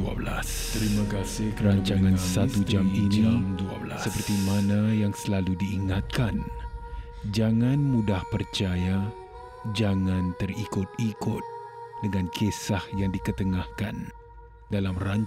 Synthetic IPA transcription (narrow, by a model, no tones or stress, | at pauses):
a̰blas | t̪ɾimakasɪkəɾaɲt͡ʃaŋãnsat̪ud͡ʒaminidaasəpərt̪imanajaŋsəlaludiːŋat̪̚kan | d͡ʒaŋãnmũdahpərt͡ʃaja | d͡ʒaŋãnt̪ərikʊt̪̚ikʊt̪̚dəŋãnkʰesahjaŋdikət̪əŋahkan | dalamraɲ